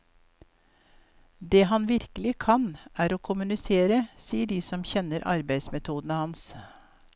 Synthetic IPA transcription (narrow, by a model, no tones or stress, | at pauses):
d̪eːhɑnʋɪɾkəlɪkʰɑnʔæːɾoːkʰʊmʉnɪseːɾəsiːəɖiːsɔmçɛnəɾʔɑ̰ɾbæɪd̪smɛt̪ʰuːd̪ən̩əhɑns